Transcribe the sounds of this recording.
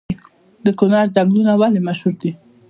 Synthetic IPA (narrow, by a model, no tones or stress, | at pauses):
d̪əkʊnɑɾzaŋɡlunawalemaʃhuɾd̪i